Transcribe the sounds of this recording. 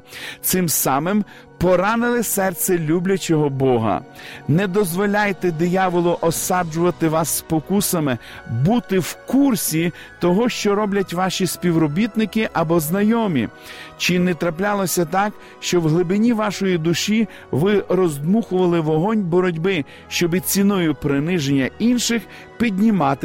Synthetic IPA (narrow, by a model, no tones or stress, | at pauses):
t̪sɪmsɑmɪm | pɔɾɑnɪlˠɪsɛrt̪sɛlʲublʲɐt͡ʃɔɦɔbɔɦɐ̰nɛd̪ɔzʋɔlʲajt̪ɛd̪ɪjɑʋɔlˠʊʔɔsɑd͡ʒʊʋɐt̪ɪʋɑsːpɔkusɐmɪbut̪ɪwkursʲi | t̪ɔɦɔʃt͡ʃɔɾɔblʲɐtʲʋɑʃʲisʲpʲiwɾɔbʲit̪nɪkɪʔɐbɔznɐjɔmʲḭ | t͡ʃɪnɛt̪ɾɐplʲɑlˠɔsʲɐt̪ɑk | ʃt͡ʃɔwɦlˠɪbɪnʲiʋɑʃɔjid̪ʊʃi | ʋɪrɔzd̪muxʊʋɐlˠɪʋɔɦɔnʲbɔɾɔdʲbɪ | ʃt͡ʃɔbɪt͡sʲinɔjʊpɾɪnɪʒenʲːɐinʃɪx | pʲid̪ʲnʲimɑt̪ɪ